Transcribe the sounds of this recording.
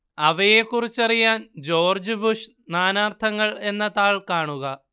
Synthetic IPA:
ɐʋɐje̞kːurit͡ɕːɐrijaːnd͡ʑo̞ːrd͡ʑɨbuʂ | naːnaːrt̪ʰɐŋːɐɭe̞nːɐt̪aːɭkaːɳuɣɐ

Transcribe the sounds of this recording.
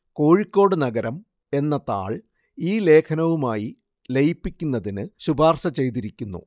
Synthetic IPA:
ko̞ːɻikʲːo̞ːɽɨnɐɡɐɾɐm | e̞nːɐt̪a̰ːɭ | iːle̞ːkʰɐnɐʋumaːji | lejipːikʲːunːɐðinɨɕubʱaːrsɐt͡ɕe̞jt̪iɾikʲːunːṵ

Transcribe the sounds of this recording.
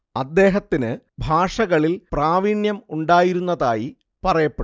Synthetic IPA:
ɐd̪ːe̞ːɦɐt̪ːinɨ | bʱaːʂɐɣɐɭilpraːʋiɳjɐmuɳɖaːjiɾunːɐðaːji | pɐrɐjɐpːeɽ

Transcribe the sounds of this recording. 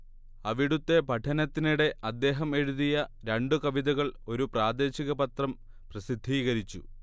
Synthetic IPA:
ɐʋiɽut̪ːe̞pɐʈʰɐnɐt̪ːiniɽe̞ʔɐd̪ːe̞ːɦɐme̞ɻuðijɐɾeɳɖukɐʋiðɐɣɐɭo̞ɾupraːd̪e̞ːɕiɣɐbɐt̪rɐm | prɐsid̪ʱːiːɣɐɾit͡ɕːu

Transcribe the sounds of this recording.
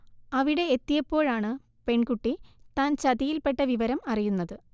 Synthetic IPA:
ɐʋiɽe̞ːt̪ːijɐpːo̞ːɻaːɳɨ | pe̞ɳkuʈːit̪aːnt͡ɕɐðijilpe̞ʈːɐʋiʋɐɾɐmɐrijunːɐðɨ

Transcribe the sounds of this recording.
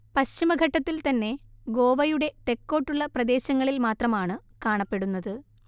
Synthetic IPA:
pɐɕt͡ɕimɐɡʱɐʈːɐt̪ːilt̪ɐnːe̞ɡo̞ːʋɐjuɽe̞t̪e̞kːo̞ːʈːuɭːɐprɐd̪e̞ːɕɐŋːɐɭilmaːt̪rɐmaːɳɨkaːɳɐpːe̞ɽunːɐðɨ

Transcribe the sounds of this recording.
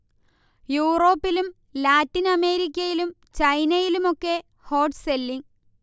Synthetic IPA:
juːro̞ːpːilum | laːtːinɐme̞ːɾik̬ʲːɐjilum | t͡ɕɐjnɐjilumo̞kːe̞ | ho̞ːʈselːiŋ

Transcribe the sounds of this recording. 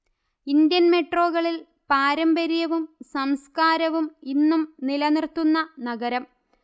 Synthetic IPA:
ind̪jɐnme̞ʈro̞ːɣɐɭil | paːɾɐmbɐɾijɐʋumsɐmskaːɾɐʋuminːumnilɐnirt̪ːunːɐnɐɡɐɾɐm

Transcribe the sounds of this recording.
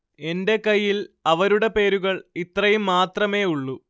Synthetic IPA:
e̞nde̞kɐjːilɐʋɐɾuɽe̞pe̞ːɾuɣɐɭit̪rɐjumːaːt̪rɐme̞ːuɭːu

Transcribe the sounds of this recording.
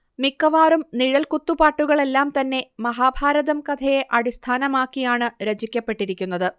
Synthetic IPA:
mikːɐʋaːrumniɻɐlkut̪ːupaːʈːuɣɐɭe̞lːaːmt̪ɐnːe̞mɐɦaːbʱaːɾɐðɐmkɐd̪ʰʱɐjeʔɐɽist̪ʰaːnɐmaːkːijaːɳɨɾed͡ʑikʲːɐpːe̞ʈːiɾikʲːunːɐðɨ

